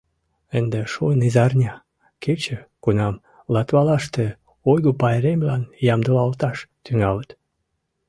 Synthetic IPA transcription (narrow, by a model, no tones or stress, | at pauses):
ənd̪eʃojnizɑrnʲɑ | kʰet͡ɕəkunɑm | lɑt̪βɑlɑʃt̪e | ojɣopɑjɾemʲlɑnjɑmd̪əlɑlt̪ɑʃt̪yŋɑlət̪